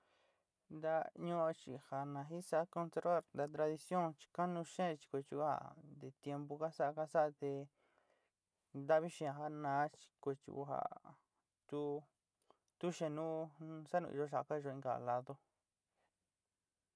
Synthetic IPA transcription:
nd̪a˧ɲõ˦o˧t͡ʃi˨ha˨nã˨ɦi˦sa˦ko˧nse˧ɾβa˦˧ɾnd̪a˧t̪ɾa˧ði˧sjõ˦˨ŋt͡ʃi̥˧ka˦nũ˧ʃẽ˦˧t͡ʃi̥˧kʷo˧t͡ʃu˧˦ha̰˨d̪e˧t̪je˧mbo˧ka˦sa˦a˧ka˦sa˦a˧t̪e˧ | nd̪a˦βi˦ʃĩ˧ã˧ɦa˧nãː˨˦t͡ʃi̥˧ko˧t͡ʃṵ˧ṵ˧˦ɦa̰˨ | t̪u˦ | t̪u˦ʃẽ˧˨nũ˦sa˦nṵ̃˧ḭ˧ʒo˧˦ʃ̬a˧˨ka˦i˧ʒo˧ĩ˧ɡa̰˨la˧ðo˧

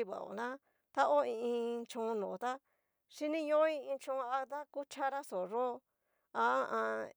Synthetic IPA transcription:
i˧βa̰˨o̰˨nã˦ | t̪a˦ʔo˦ĩ˧ĩ˧t͡ʃõ˧nõ˨˦t̪a˦ | ʃi˦nĩ˦jõ˦i˧ĩ˧t͡ʃõ˧a˧t̪a˦ku˦t͡ʃa˦ɾa˦so˨ɾo˦˧ | a˧˦ã˧

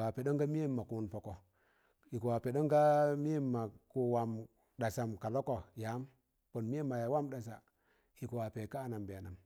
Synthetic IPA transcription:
a˨pe˨ɗo˦ŋɡa˦mi˦e˦mːa˨ku˦npo˨ko˨ | ji˨ku˨wa˨pe˨do˦ŋɡa˦mi˦e˦mːa˨ku˨wa˨m | ɗa˨sa˨mka˨lo˦ko˨ja˨˦m | po˨nmi˦e˦mːa˨ja˨˦wa˦mɗa˨sa˨ | hi˨ku˨wa˨pe˨ka˦˨na˨mbe˨a˨na˨m

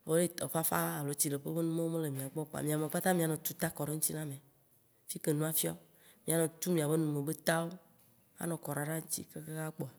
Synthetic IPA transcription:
vo˦ɖe˦t̪ɔ˨ɸa˦fa̰˦a˨lo˨t͡ɕi˨le˨ɸe˦be˦nũ˦me˦wo˦me˦le˨mĩ˨a˨ɡ͡bɔ˦k͡pa̰˨mĩ˨a˨me˨k͡pa˦t̪ã˦mĩ˨a˨nɔ̃˨t̪u˦t̪a˦kɔ˨ɖe˦ŋũ˦t͡ɕi˦nã˦me˨ | fi˦ke˨nũ˦a˦fi˦a̰˦o˦ | mĩ˨a˨nɔ̃˨t̪u˦mĩ˨a˨βe˦nũ˨me˨be˦t̪a˦wo˦ | a̰˦nɔ̃˨kɔ˨ɾa˨ɖa˦ŋũ˦t͡ɕḭ˦ke˦ke˦ɣa˦k͡po˨a˨

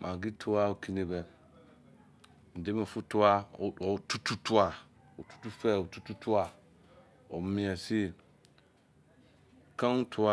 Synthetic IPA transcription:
mʔã˨ɡi˦tʰʊ˦a˦o˨kʰi˦nẽ˨bɛ˨ | n̩˨dɪ˦mẽ˨fʊ˦tʊ˦a˦˨ɔ˨tu˦tʰu˦tʰʊ˦a˨ | o˨tu̥˦tu˦fɛ˦˨o˨tu˦tu˦tʰʊ˦a˨ | ɔ̰˨˦mɪ̃˨ɛ˨si˦˨ | kʰã˦n˦tʰʊ˦a˦

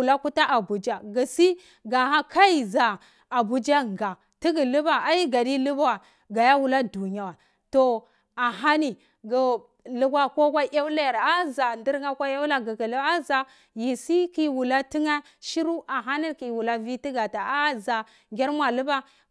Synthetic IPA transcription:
la˦ku˦ta˦ʔa˨bu˨d͡ʒa˨ɡi˨si˦ | ɡa˨ha˦ka˦i˨za˨ | a˨bu˨d͡ʒa˦ŋ˨ɡa˨ | ti˦ɡi˨lu˦ba˨a˦i˦ɡa˨di˦lu˦ba˦wa˨ | ɡa˨ja˦wu˨la˦du˨ɲ˨a˦wa˨ | to˨ | a˨ɦa˦ni˨ | ɡi˨ | lu˦ɡʷa˦ko˦kʷa˦ʔa˦la˦˨ɾa˦za˨ndi˦ɾŋa˦kʷa˦a˦wla˦ɡi˨ɡi˨la˦za˨ | ji˨si˦ki˦wu˨la˦ti˦ŋa˦ | ʃi˦ɾu˦ʔa˨ɦa˦ni˦ki˨wu˨la˦vi˦ti˦ɡa˨ta˨a˦za˨ | ŋɡʲa˦ɾmʷ˦a˨lu˦ba˦

